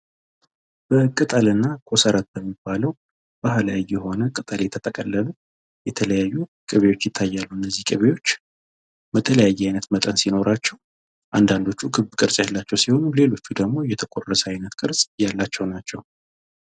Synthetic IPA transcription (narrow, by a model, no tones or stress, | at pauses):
b̥əkʼɨt̪ʼəlɨnːakʰo̞səɾat̪̚bəmːibːaləw | b̥ahlajːɛho̞nəkʼɨt̪ʼəljɛt̪ʰət̪ʼəkʼəlːəlu | jɛt̪ʰələjajːukʼɨβe̞jwo̞t͡ʃːjɪt̪ʰːajːalːuɨnːəzːihkʼɨβejwo̞t͡ʃː | bət̪ʰələjajːɛajnət̪mət̪ʼənsino̞ɾʔat͡ʃːɛw | ʔa̰nd̪and̪o̞t͡ʃːukʰɨβbkʼɨɾsʼjalːat͡ʃːɛwsiho̞nule̞lo̞t͡ʃːud̪əɡmo̞jɛt̪ʰəkʼorəsəajnət̪kʼɨɾsʼjalːat͡ʃːɛwnat͡ʃːɛw